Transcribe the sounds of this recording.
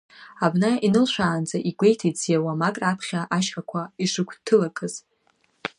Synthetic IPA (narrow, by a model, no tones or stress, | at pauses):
abnainɨlʃʷaːnd͡zaʔiɡʷejtʰit͡sʰjawamakʼrapʰχʲaʔaʃχakʷʰaiʂɨkʷʰtʰɨlakʰɨz̥